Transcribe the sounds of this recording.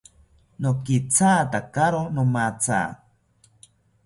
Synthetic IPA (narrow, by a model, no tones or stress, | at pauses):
nokit͡saːt̪akaɾonomat͡sa̰ː